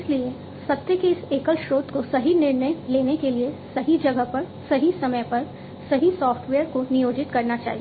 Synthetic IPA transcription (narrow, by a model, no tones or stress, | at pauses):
ɪslie | sɐt̪jəkeɪseːkəlʃɾoːt̪kosɐɦinɪɾnəjleːnekeliesɐɦid͡ʒɐɡəɦpɐɾ | sɐɦisɐməjpɐɾ | sɐɦisɔːfʈʋeːəɾkonɪjoːd͡ʒɪt̪kɐɾnat͡ʃa̰ːɦie